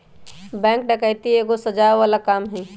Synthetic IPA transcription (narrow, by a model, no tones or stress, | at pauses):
bɛ̃ːŋk̚ɖəkajt̪ieːɡosəd͡ʒaːʋaːlakaːmɦɛ̃